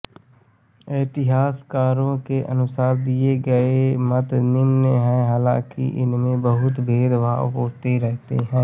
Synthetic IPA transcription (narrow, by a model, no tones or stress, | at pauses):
ɛːt̪ɪɦaːskaːɾõkeʔə̰nʊsaːɾd̪ieɡəemət̪nɪmnɦɛ̃ɦaːlã̰ːkḭʔɪ̰nmẽbəɦʊt̪bʱeːd̪ʋa̰ɦoːɾt̪eɾɛɦt̪ḛɦɛ̃ː